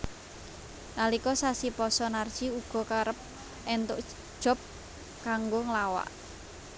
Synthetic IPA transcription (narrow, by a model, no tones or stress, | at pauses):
nalikɔsasipɔsɔnard̥ʒ̥iuɡ̥ɔ̤kaɾəp̚ | ʔɛnt̪ʊʔ | d̥ʒ̥ɔ̤p̚ | kaŋɡoŋlawa̰ʔ